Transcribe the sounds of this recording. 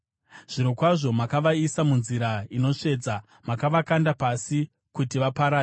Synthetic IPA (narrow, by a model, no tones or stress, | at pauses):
ʐ̥iɾokwaʐo̞makaʋaisamunziɾaino̞ʂe̞ːd͡za | makaʋakandapasi | kutiʋapaɾaːe